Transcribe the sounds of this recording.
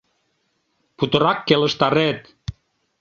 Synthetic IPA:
put̪ɤ̆ɾɑkːelə̆ʃt̪ɑɾet̪

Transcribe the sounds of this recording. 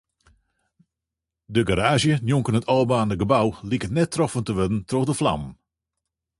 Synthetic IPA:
dəɡaɾaːʒjənjuŋkənətʰɔːbaːnəɡəbawlikətnɛtʰːrɔfəntəʋødən̩troxdəfla̰mən

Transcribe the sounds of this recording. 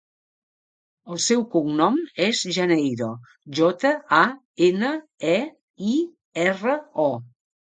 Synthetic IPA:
əlˠsɛwkuŋnɔmɛzʒənejɾo | ʒɔt̪əa | enə | ɛ | i | ɛrəɔ

